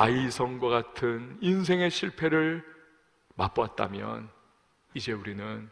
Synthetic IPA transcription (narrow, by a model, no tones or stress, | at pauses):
aisʰʌŋɡwaɡatʰɯnins̬ʰe̞ŋe̞ɕʰiɭpʰe̞ɾɯɭ | map͈at̚t͈a̰mjʌ̰n | id͡ʑe̞uɾinɯn